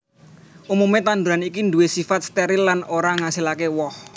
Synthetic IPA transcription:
ʔumumet̪and̪uɾanikind̪uwesifat̪̚st̪ɛɾɪlːanoɾaŋasilakewɔh

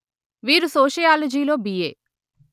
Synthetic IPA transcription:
ʋiːɾusoːʃɐjaːlɐd͡ʒiːlo̞ːbijḛː

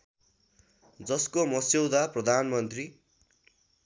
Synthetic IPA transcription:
d͡zʌskomʌsewd̪aprʌd̪ʱanmʌnt̪ri

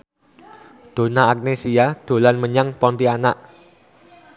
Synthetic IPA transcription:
d̪̥o̤naːk̚nesiad̪̥o̤lanməɲaŋpɔnt̪ianaʔ

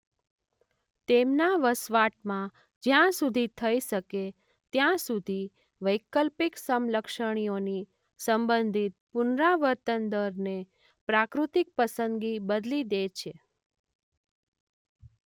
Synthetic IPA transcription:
t̪emnaʋəsʋaʈmã | d͡ʒjãsud̪ʱit̪ʰəiʃəke | t̪jãsud̪ʱi | ʋəjkəlpiksəmləkʃəɽ̃ioni | səmbənd̪ʱit̪̚pʊnɾaʋəɾt̪ənd̪əɾne | pɾakɾut̪ik̚pəsənɡibəd̪lid̪et͡ʃʰe

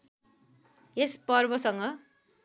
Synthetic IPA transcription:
espʌrbʌsʌŋɡʌ

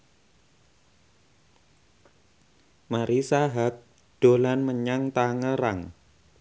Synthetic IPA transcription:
maɾisaɦak̚ | d̥o̤lanməɲaŋt̪aŋəɾaŋ

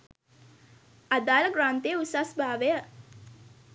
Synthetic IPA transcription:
ad̪aːləɡɾaːnt̪ejəusasbaːʋejə

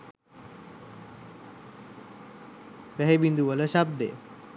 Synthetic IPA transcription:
ʋæɦebind̪uʋələʃab̚d̪ḛ

